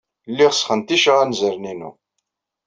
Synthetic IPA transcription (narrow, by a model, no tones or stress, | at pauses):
lːiʁəsχənt̪iʃəʁænzəɾninṵ